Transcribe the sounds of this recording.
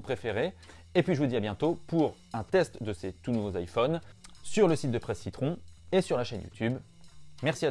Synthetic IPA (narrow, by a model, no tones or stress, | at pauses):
pχefeʁeː | pɥiʒəvud̪iabjɛ̃t̪opuʁ | ɛ̃t̪ɛst̪d̪əset̪unuvozajfɔnsyʁləsit̪̚d̪əpχɛsːit̪χɔ̃esyʁlaʃɛnjṵt̪ʰyb | mɛʁsia